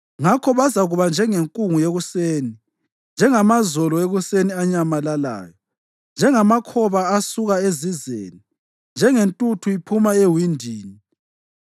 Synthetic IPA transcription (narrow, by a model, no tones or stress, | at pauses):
ŋakʰɔβazaɣuβand͡ʒʱɛŋeŋkʼuŋujeɣuseːni | nd͡ʒʱɛŋamazɔlɔeɣuseniaɲamalala̰ːjɔ | nd͡ʒʱɛŋamakʰɔβaːsuɣaezizḛːni | nd͡ʒʱɛŋentʼutʰuipʰumaewindʱiːni